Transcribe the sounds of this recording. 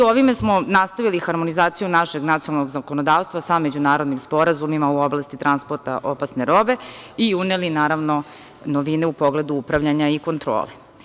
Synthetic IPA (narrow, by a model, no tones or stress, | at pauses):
oʋimesmo̞nast̪aʋilixaɾmo̞nizaːt̪sijunaʃeɡnat̪ionalˠno̞ɡzakonod̪aːʋst̪ʋasame̞d͡ʑunaːɾo̞d̪nimspo̞ɾazumimauoblˠast̪it̪ɾanspoɾt̪a̰ʔopasneɾo̞be̞iunelinaːɾaʋno̞ | noʋineupo̞ɡle̞d̪uupɾaʋʎaɲaiko̞nt̪ɾo̰ːle